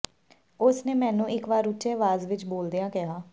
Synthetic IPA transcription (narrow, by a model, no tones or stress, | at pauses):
ʊsneːmɛ̃ːnũːɪkʋaːɾʊt͡ʃeːʋaːzʋɪt͡ʃboːld̪ejãːkɪɦaː